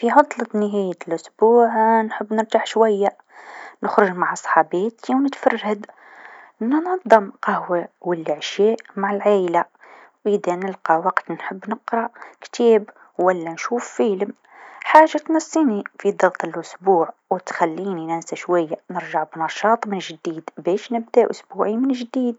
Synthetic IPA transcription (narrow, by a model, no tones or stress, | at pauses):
fiʕɑd̪ˤlɑt̪nəɦæjəlʔʊsbuːʕnħəbːnəmt̪aħʃwajːa | nəxɾʊʒmaʕsˤħɑbeːt̪iwnət̪fɑrˤːad̪ | nnɑd̪ˤːɑmqɑhwawəlːɪʕʃeʔmaʕəlʕaːjla | ʔid̪anəlqɑwɑqt̪nħəbːnəqɾˤɑkt̪ʰɛːb | wælːænʃuːfːiːləm | ħaːʒːat̪nɑsːiːnifid̪ˤɑɣt̪ˤəlʔʊsbuːʕwt̪xælːiːninænsaʃwajːanəɾʒaʕbnɑʃɑːt̪ˤmɪnʒd̪iːd̪bɛːʃnəb̚d̪aʔʊsbuːʕimɪnʒd̪iːd̪̚